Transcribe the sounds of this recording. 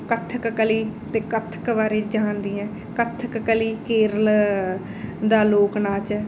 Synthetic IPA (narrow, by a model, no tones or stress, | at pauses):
kət̪ʰəkkəliːt̪eːkət̪ʰəkʋaːɾeːd͡ʒaːnd̪iːɛ̃ː | kət̪ʰːəkkəliːkeːɾəl | d̪aːloːknaːt͡ʃɛː